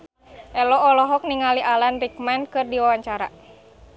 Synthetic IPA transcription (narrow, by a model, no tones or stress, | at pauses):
ʔɛlɔɔlɔɦɔk̚niŋaliʔalanrikmɛnkɨrdiwawaɲt͡ʃaɾa̰